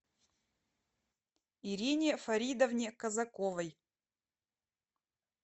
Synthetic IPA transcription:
iɾʲinʲɪfɐɾʲid̪ɐvnʲɪkɐzɐkovɐj

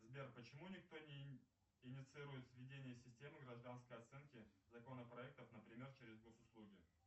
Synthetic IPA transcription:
zbʲerpət͡ɕɪmunʲɪkt̪o̞nʲɪ | ɪnʲɪt̪sɨiɾʊjɪt̪svʲɪdʲenʲɪjəsʲɪsʲtʲe̞mɨɡɾɐʐd̪anskəjɐt̪sɛnkʲɪzɐko̞nəpɾɐɛk̚t̪əfnəpɾʲɪmʲe̞rt͡ɕeɾʲɪzɡo̞sʊslˠuɡʲɪ

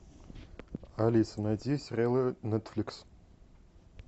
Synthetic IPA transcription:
alʲisɨnadʲisʲrʲelɐnet̪flʲiks

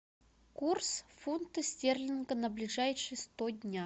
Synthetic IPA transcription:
kursfunt̪əsʲtʲerlʲɪnɡənəblʲɪʐajʂɨjəst̪odʲnʲa

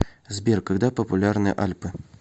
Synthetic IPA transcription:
zbʲerkɐɡd̪apəpʊlʲarnɨjə̰ʔalʲpɨ

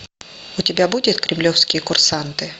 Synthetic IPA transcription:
ʊtʲɪbʲabudʲɪt̪kɾʲɪmlʲofskʲɪjəkʊrsant̪ɨ

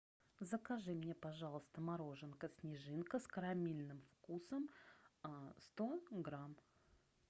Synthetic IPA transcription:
zəkɐʐɨmnʲepɐʐɑlˠəst̪əmaɾo̞ʐɨnkəsʲnʲɪʐɨnkəskəɾɐmʲilʲnɨmfkusəm | st̪o̞ɡɾam

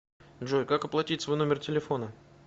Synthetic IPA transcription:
dʐojkakɐplˠɐtʲitʲsvo̞jno̞mʲɪrtʲɪlʲɪfo̞nə

